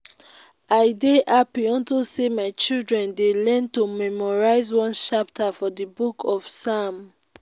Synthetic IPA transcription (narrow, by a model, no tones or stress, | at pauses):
aɪdeʔapiɔ̃ntusemaɪt͡ʃildɹɛ̃ndelɛ̃ntomɛmɔɹaɪzwɔ̃nʃap̚tʰafɔdibukʰɔfsam